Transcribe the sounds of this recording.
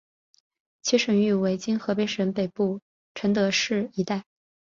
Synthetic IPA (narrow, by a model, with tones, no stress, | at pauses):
t͡ɕʰi˥ʂə˨˩ŋy˥˩we˧˥ɪt͡ɕi˥nxɤ˧˥p̬e˧˥ɪʂə˧˥npe˨˩ɪpu˥˩ | ʈ͡ʂʰə˧˥nt̪ɤ˧˥ʂɻ̩˥˩i˧˥t̪a˥˩ɪ